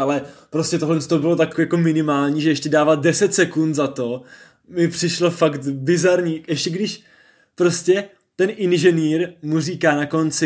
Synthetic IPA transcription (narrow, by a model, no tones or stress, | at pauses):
alɛpɾo̞scɛt̪oɦlɛnst̪obɪlot̪akjako̞mɪnɪmaːlɲiːʒɛɛʃcɛdaːvadɛsɛt̪sɛkunt̪zat̪o̞ | mɪpr̥ɪʃlo̞fakt̪bɪzaɾɲiːɛʃcɛɡdɪʃ | pɾo̞scɛ | t̪ɛnʔɪnʒɛniːɾmuriːkaːnako̞nt͡sɪ